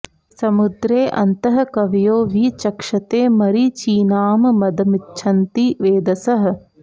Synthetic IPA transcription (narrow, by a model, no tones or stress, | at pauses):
sɐmud̪ɾeːʔɐ̰nt̪ɐɦɐkɐʋijoːʋiːt͡ʃɐkʂɐt̪eːmɐɾit͡ʃiːnaːmmɐd̪ɐmitːʃʰɐnt̪iʋeːd̪ɐsɐɦɐ̆